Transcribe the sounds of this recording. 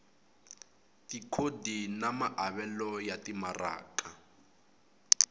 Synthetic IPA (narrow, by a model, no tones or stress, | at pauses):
tikʰodinamaʔaβɛlɔjatimara̰ːkʼa